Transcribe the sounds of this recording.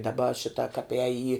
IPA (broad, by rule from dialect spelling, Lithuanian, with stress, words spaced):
dɐˈbɐ ˈʃʲɪtɐ kɐp ɛːj iː